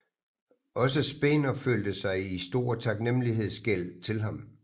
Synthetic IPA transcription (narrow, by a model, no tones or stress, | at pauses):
ɒ̽s̬əsb̥e̝ːnɐføld̥əsɑ̈ɪisd̥o̝ːɐ̰t͡sʰɑ̈ɡ̥nem̰liɦe̝ð̞̰ˠsɡ̥el̰t͡sʰe̝lɦɑ̈m